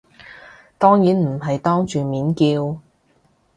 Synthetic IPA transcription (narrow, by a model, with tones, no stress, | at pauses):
t̪ɔː˥ŋjiː˨˥nm̩˨˩ɦɐ˨jt̪ɔː˥ŋt͡ʃyː˨miː˨˥nkiː˧w